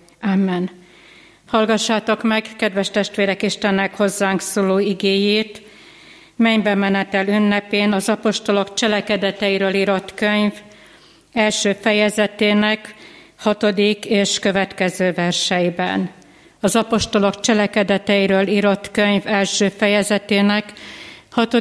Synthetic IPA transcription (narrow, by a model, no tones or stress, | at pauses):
amːɛn | hɒlɡɒʃːaːt̪o̞kmɛɡkɛd̪vɛʃt̪ɛʃt̪ʋeːɾɛkiʃt̪ɛnːɛkho̞zːaːŋksoːloːiɡeːjeːt̪ | mɛɲbɛmɛnɛt̪ɛlynːɛpeːnɒzɒpo̞ʃt̪o̞lo̞kt͡ʃɛlɛkɛd̪ɛt̪ɛjiɾøːliɾo̞t̪køɲv | ɛlʃøːfɛjɛzɛt̪eːnɛk | hɒt̪o̞d̪ikeːʃkø̞vɛt̪kɛzøːvɛrʃɛjibɛ̰n | ɒzɒpo̞ʃt̪o̞lo̞kt͡ʃɛlɛkɛd̪ɛt̪ɛiɾøːliːɾo̞t̪kø̞ɲvɛlʃøːfɛjɛzɛt̪eːnɛkhɒt̪o